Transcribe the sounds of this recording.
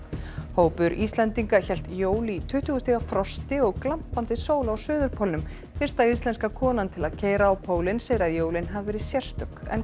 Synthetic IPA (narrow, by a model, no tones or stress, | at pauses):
hoːwpʏɾʔist̪lɛnt̪iŋkaçɛl̥t̪joːwlit̪ʰʏht̪ʏɣʏst̪θiɣafɾɔst̪ɪɔɣklam̥pant̪ɪsoːwlaawsœːðʏɾpʰowlnʏm | fɪr̥t̪aist̪lɛnskakʰɔːnant̪ʰɪlaðcʰeːjɾaːwpʰoːwlɪnsɛɣɾaðjoːwlɪnɦavvɛːɾɪsjɛr̥st̪ʏkɛ̰n